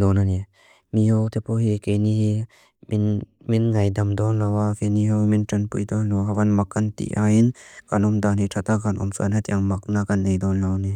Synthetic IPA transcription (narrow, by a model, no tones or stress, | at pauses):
d̪ɔnani | mihɔwt̪ɛpɔhikejnihi | mn | minŋɐjdamd̪ɔnlawafeniɦɔwmintɐnpujd̪ɔnlɔɦawanmakːant̪ḭʔainkanɔmd̪anitʰat̪akanʔɔ̰msʔa̰nat̪iʔaŋmak̚nakanːejd̪ɔnlawni